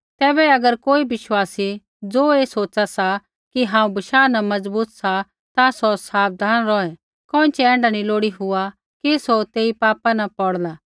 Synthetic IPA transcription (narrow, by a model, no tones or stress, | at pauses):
t̪ɛːbɛɐɡəɾkoːibɪʃwaːsi | d͡zoːeːsoːt͡ʃasa | kiɦãːũbɐʃaːnɐ̃mɐd͡zbuːt̪sa | t̪asosaːb̚d̪ʱaːnɾɔːɛ̃ | kɔ̃ːɪ̃t͡ʃɛɛ̃ːɳɖaniloːɽiɦʊa | kisot̪eːipaːpanɐpɔɽlaː